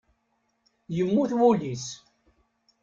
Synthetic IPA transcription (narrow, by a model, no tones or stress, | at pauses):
jəmːuθwulis